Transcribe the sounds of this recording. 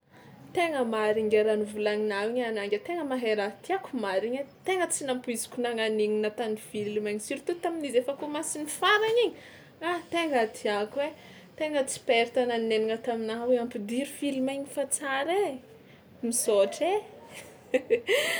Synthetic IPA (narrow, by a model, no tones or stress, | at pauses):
t̪eŋəmaɾiŋɡeɾanivulaŋinawiɲanaŋɡet̪eŋəmaɦeɾat̪iakumaɾiɲet̪eŋət͡sinampuizi̥kʲunaŋaniŋinat̪anifilimeɲsiɾit̪ut̪aminizefəkumasinifaɾaɲiɲi | at̪eŋət̪ʰiakwe | t̪eŋət͡si̥peɾt̪ananneniŋət̪aminaɦaweampid̪iɾufilmeɲifat͡saɾe | misoʈ͡ʂe